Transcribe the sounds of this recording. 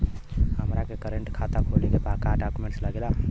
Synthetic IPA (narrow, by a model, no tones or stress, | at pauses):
ɦəmɾakekəɾəɳʈkʰat̪akʰolekepakaɖakumeɳʈsləɡela